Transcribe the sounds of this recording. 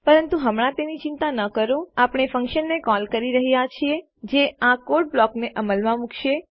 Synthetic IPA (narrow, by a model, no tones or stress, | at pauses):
pəɾənt̪uɦəmɽ̃ãt̪enit͡ʃĩnt̪anəkəɾoapɽ̃efə̃ŋkʃənːekɔlkəɾiɾəɦijat͡ʃʰie | d͡ʒeakoʈ̚blɔkneʔəməlmãmukʰʃe